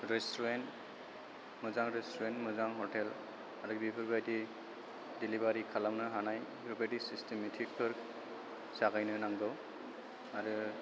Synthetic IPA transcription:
ɹɛstɔɾent | mɯzaŋɹestʰɔɾentmɯzaŋɦɔɹtʰɛl | aɾɯbipʰɯɾbajdi | dilibaɾikʰalamnɯɦanaj | ɾubajtisistʰemɛtʰik̚pʰɯɾ | saɡajnɯnaŋdɔw | aɾɯ

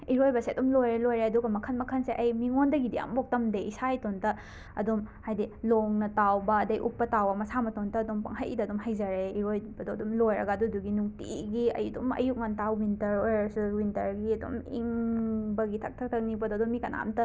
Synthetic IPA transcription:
iɾojbɐseɐdumlojɾelojɾeɐduɡɐmɐkʰɐnmɐkʰɐnseʔɐjmiŋondɐɡidija̰mbok̚tɐmdeisajtontɐ | ɐdomhajdiloŋnɐtawbɐːdɐjʔupːɐtawɐmɐsamɐtontɐːdompɐ̰ŋɦajdɐdomɦajzɐɾeiɾojbɐdoɐdumlojɾɐɡɐːduduɡinuŋtḭɡiɐ̰judumɐ̰juk̚ŋantawːintɐɾojɾɐsuwintɐɾɡiɐdo̰mḭŋbɐɡitʰɐk̚tʰɐk̚tʰɐk̚nibɐdoɐdomːikɐna̰mtɐ

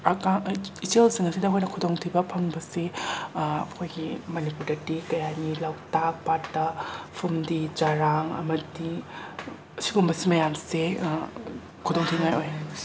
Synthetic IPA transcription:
akaitelsiŋɐsidɐkʰojnɐkʰudoŋtʰibɐpʰɐŋbɐse | ɐkʰojɡimɐnipuɾdɐtikɐjanilawtak̚patːɐpʰumdid͡ʒaɾaŋɐ̰mɐdi | ɐsiɡumbɐsimɐjamse | kʰudoŋtʰiŋajoj

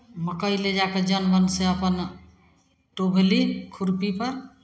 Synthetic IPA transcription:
məkəiled͡ʒaked͡ʒənbənseəpən | ʈobʱelikʰuɾpipəɾ

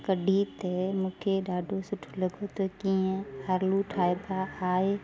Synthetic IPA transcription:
kəɖʱiːt̪emʊkʰeɖaːɖosʊʈʰuləɡot̪okiːɦɛ̃əɾluʈʰaːjbaːaː

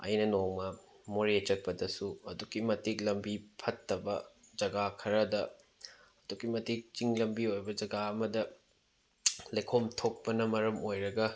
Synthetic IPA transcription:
ɐ̰jnɐnoŋmɐ | moɾet͡ʃɐk̚pɐdɐsuɐdukimɐtik̚lɐmbipʰɐtːɐbɐd͡ʒɐɡakʰɐɾɐdɐ | ɐdukimɐtik̚t͡ʃiŋlɐmbiojbɐd͡ʒɐɡaɐmɐdɐ | lekʰomtʰok̚pɐnɐmɐɾɐmojɾɐɡɐ

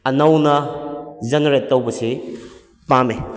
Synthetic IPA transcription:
ɐnɐwnɐd͡ʒɐneɾetːɐwbɐsi | pame

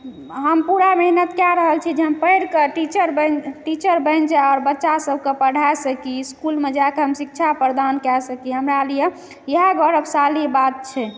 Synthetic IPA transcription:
ɦəmpuɾamɛɦnət̪kaɾəɦəlt͡ʃʰid͡ʒeɦəmpəɾkeʈit͡ʃəɾbənʈit͡ʃəɾbəɪnd͡ʒaɔɾbətːʃasəb̚ʱkepəɽ̤ʱaesəkiskulmed͡ʒakeɦəmsik̚t͡ʃʰapəɾd̪ankɛsəkiɦəmɾalije | jəɦaɡɔɾəbsalibat̪̚t͡ʃʰɛ

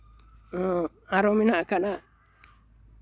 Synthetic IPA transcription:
aɾominakana

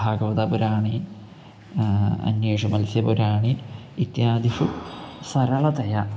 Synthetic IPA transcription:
aːɡɐʋɐd̪ɐpuɾaːɳi | ɐ̰njeːʂɐmɐlsjɐpuɾaːɳi | it̪jaːd̪iʂusɐɾɐɭɐt̪ɐjɐ

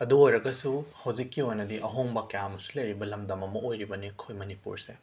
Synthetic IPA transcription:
ɐduojɾɐɡɐsuhɐwzikːiojnɐdiʔɐɦoŋbɐkɐjamɐsu̥lɐjɾibɐlɐmdɐmɐmɐojɾibɐnikʰojmɐnipṵɾse

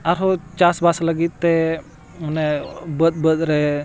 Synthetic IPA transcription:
aɾɦɔt͡ʃasbasləɡit̪̚t̪ɛ | mɔnɛbət̪̚bət̪ɾɛ

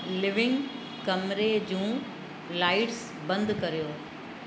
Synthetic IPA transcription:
lɪʋɪ̃ŋɡ | kɐmɾed͡ʑũː | laːɪʈs | bɐ̃nd̪kɐɾijoː

